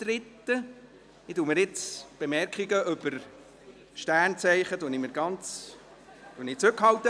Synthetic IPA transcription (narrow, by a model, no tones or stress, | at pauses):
trɪt̪ːə | ɪtuːməɾɪt͡sb̥emɛɾkχiɡəʔʏb̥əɾ | ʃtæːɾnt͡sɛɪχəd̥̪uniməɾɡɑnt͡s | d̥unit͡sɾʉkhɑwt̪ːə